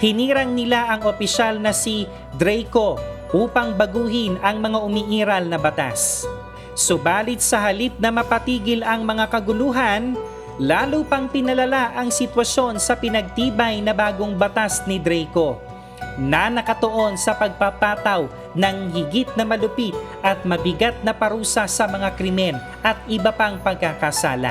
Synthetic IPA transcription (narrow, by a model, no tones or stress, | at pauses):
hɪniːɾɐŋnɪlaʔɐŋopɪʃalnɐsi | d̪ɾɛjko̞ʔuːpɐŋbɐɡuːɦɪnɐŋmɐŋaʔʊmiʔiːɾɐlnɐbɐt̪a̰s | sʊbaːlɪt̪̚sɐɦɐlip̪̚nɐmɐpɐt̪iːɡɪlɐŋmɐŋakɐɡʊluːɦɐn | laːlupɐŋpɪnɐlɐlaʔɐŋsɪt̪wɐʃo̞nsɐpɪnɐɡ̚t̪iːbɐjnɐbaːɡo̞ŋbɐt̪asnɪd̪ɾɛjko̞ | nɐnɐkɐt̪oʔo̞nsɐpɐɡ̚papaːt̪ɐw | nɐŋɦɪɡit̪̚nɐmɐlʊpit̪̚ | ʔɐt̪̚mɐbɪɡat̪̚nɐpɐɾuːsɐsɐmɐŋakɾɪmɛn | ʔɐt̪̚ʔɪbɐpaŋpɐɡ̚kakasa̰ːla̰